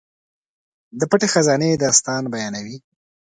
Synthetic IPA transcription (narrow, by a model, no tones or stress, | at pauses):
d̪əpəʈexazɑned̪ɑst̪ɑnbajɑnawi